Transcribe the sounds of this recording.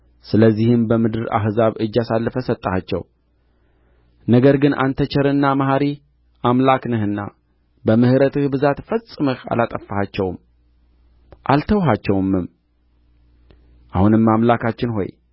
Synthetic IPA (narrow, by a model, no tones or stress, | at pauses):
sɨləzːihɨmbəmɨd̪ɨɾa̰ɦzaβɨd͡ʒːasalːəfəsət̪ʼːəhat͡ʃːɛ̰w | nəɡəɾɡɨnʔa̰nt̪ʰət͡ʃʰɛɾɨnːamaɦaɾi | ʔamlaknɨhɨnːa̰ | bəmɨhɾət̪ʰɨhbɨzat̪fəsʼːɨmɨha̰lat̪ʼəfːahat͡ʃːɛwm | ʔalt̪ʰəwɦat͡ʃːɛwmːɨm | ʔahunɨmːamlakʰat͡ʃːɪnɦo̞̰j